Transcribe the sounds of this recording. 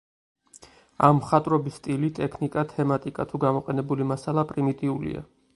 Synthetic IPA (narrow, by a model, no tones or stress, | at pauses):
a̰mːχat̪ʼɾɔbisːt̪ʼilit̪ʼɛkʰnikʼat̪ʰɛmat̪ʼikʼat̪ʰuɡamɔqʼɛnɛbulimasalˠapʼɾimit̪ʼiulḭa̰